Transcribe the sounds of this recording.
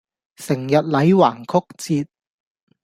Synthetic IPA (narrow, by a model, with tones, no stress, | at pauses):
sɪ˨˩ŋjɐ˨t̚lɐ˨˧jwaː˨˩ŋkʰʊ˥k̚t͡siː˧t̚